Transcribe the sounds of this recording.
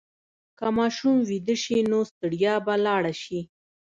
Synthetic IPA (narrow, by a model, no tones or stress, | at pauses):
kamɑʃumwid̪əʃinost̪əɽjɑbalɑɽaʃi